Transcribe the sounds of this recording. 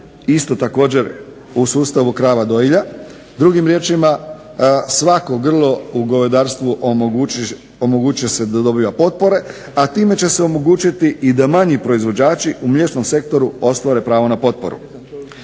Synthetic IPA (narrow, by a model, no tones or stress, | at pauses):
ist̪o̞t̪ako̞ːd͡ʑe̞ɾ | usuːst̪aʋukɾaːʋad̪o̞iʎa | d̪ɾuɡimɾje̞ːt͡ʃima | sʋako̞ɡr̩lˠo̞uɡo̞ʋed̪aːɾst̪ʋuʔ | omoɡuːt͡ʃujese̞d̪ad̪o̞biːʋapo̞t̪̚po̞ɾe̞ | at̪iːme̞t͡ɕe̞seo̞mo̞ɡuːt͡ʃit̪iʔid̪amaɲipɾo̞izʋo̞d͡ʑaːt͡ʃiʔumʎe̞t͡ʃno̞mse̞k̚t̪o̞ɾuo̞st̪ʋaɾe̞pɾaːʋo̞napo̞t̪̚po̞̰ɾṵ